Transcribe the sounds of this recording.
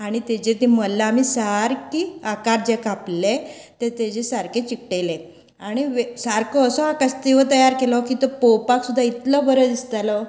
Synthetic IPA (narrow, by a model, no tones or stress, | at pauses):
aɽ̃it̪ed͡ʑet̪iməlːaːmisaɾkiakaɾd͡ʑekaple | t̪et̪ed͡ʑesaɾket͡ɕik̚ʈele | aɽ̃iʋesaɾkɔːsɔakast̪iʋət̪̬əjaɾkelɔkiːt̪ɔpɔwpaksud̪ʱːait̪lɔbəɾəd̪ist̪alɔ